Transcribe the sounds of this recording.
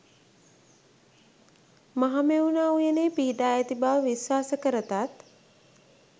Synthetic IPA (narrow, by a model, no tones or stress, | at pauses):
maɦameunaːujəneːpiɦiɖaːjæt̪ibaʋəʋiswaːsəkəɾət̪at̪